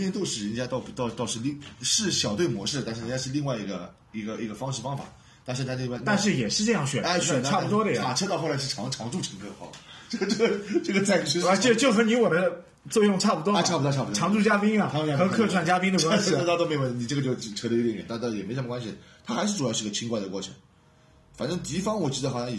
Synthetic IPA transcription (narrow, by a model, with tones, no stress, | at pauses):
ɛ˥˧nt̪jo˥˧ʊʂɻ̩˥˩ɻə˧˥nt͡ɕja˥t̪ɑ˥˩ʊ˩t̪ɑ˥˧ʊt̪ʊʂɻ̩˥˧li˥˧ŋʂɻ̩˥˩ɕjɑ˨˩ʊt̪we˥˩ɪmwɔ̰˧˥ʂɻ̩˥˩t̪a˥˧nʂɻ̩˥˩ɻə˧˥t͡ɕja˥ʂ̩˥˧li˥˧ŋwa˥˩ɪi˧˥ɡə˧ | i˧˥ɡə˧ʔi˧˥ɡə˧fɑ˥ŋʂɻ̩˥˩fɑ˥ŋfa̰˨˩˦ | t̪a˥˧ʂ̩ʰ˥˧˩wnt̪a˥˧nʂ̬ɻ̩˥˩jɛ˨˩ʂɻ̩˥˧ʈ͡ʂɤ˥˧jɑ˥˩ŋɕɥɛ̰˨˩na˥ɕɛ˨˧ʈ͡ʂʰa˥˩pu˧˩t̪wɔ˥d̪ə˨˩i˩a˨˩ʈ͡ʂʰɤ˥t̪ɑ˥˧ʊxo˥˩la˧˥ɪʂ̩˥˩ʈ͡ʂʰɑ˧˥ŋʈ͡ʂʰɑ˧˥ŋʈ͡ʂu˥˩ʈ͡ʂʰə˧˥ŋkʰɤ˥˧xɑ̰˥˩ʈ͡ʂɤ˥˧˩ʈ͡ʂʈ͡ʂɤ˥˩ɡə˩t͡sa˥˩˨t͡ɕʰy˥a˥˩t͡ɕjo˥˧˩t͡ɕjo˥˩ʊxɤ˧˥ni˧˥wɔ˨˩d̪ə˦ | t͡swɔ˥˧jʊ˥˧ŋʈ͡ʂʰa˥˩pu˧t̪wɔ˥˧˩ʈ͡ʂʰa˥˩pu˩t̪wɔ˥˧˥pu˩ɔ˥ɑ˧˥ŋʈ͡ʂu˥˩t͡ɕja˥pi˥ŋɐ˨˥˧a˥˧xɤ˧˥kʰɤ˥˧ʈ͡ʂʰwa˥˩nt͡ɕja˥pi˥ŋd̪ə˨kwa˥ɕi˥˨˩t̪ɑ˥˩t̪o˥m˧˥˩wə˥˩ni˨˩ʈ͡ʂɤ˥˩ɡə˩t͡ɕjo˥˩ʊ˥˩ʈ͡ʂʰɤ˧˥li˥jɛ˧˥nt̪ɛ̰˨˩˥jɛ˨˩me˥ʂm˧kwa˥nɕi˨˩t̪ʰa˥xa˧˥ɪʂɻ̩˥˩ʈ͡ʂu˨jɑ˥˧ʂɻ̩˧˥ɡə˧t͡ɕʰi˥ŋkwa˥˩ɪd̪ə˩kwɔ˥˩ʈ͡ʂʰɤ̥̰˧˥ŋ | fa̰˨˩nʈ͡ʂɤ˥ŋt̪i˧˥fɑ˥ŋwɔ˨˩t͡ɕi˧˥d̪ə˧xɕ